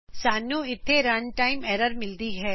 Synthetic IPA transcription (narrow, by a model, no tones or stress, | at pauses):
saːnjũɪt̪ʰːeɾɐnʈaːɪmɛːɾəɾmɪld̪iɦɛː